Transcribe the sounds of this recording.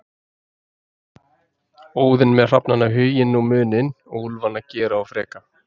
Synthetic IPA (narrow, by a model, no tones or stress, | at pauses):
oːwðɪnmɛðr̥apnanːaɦʏːjɪnːumʏːnɪnɔɣulvanacɛːɾaawfɾɛːka